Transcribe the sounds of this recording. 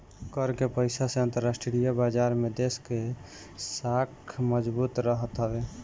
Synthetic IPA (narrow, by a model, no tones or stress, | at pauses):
kəɾkepəjsaseə̃nt̪əɾːasʈɾijəbad͡ʒaɾmed̪eske | sakʰməd͡ʒbut̪ɾəɦət̪ɦəbe